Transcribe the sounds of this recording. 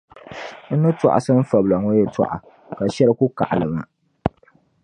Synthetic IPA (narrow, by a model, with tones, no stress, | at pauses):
n̩˦nɨ˦tɔ̰˨ʔa̰˨sɨ˦m̩˦fa˨bla˨ŋo˦jɛ˦ta̰˨ʔa̰˨ | ka˨ʃɛ˦lɨ˦ku˦ka̰˨ʔa˨lɨ˨ba˨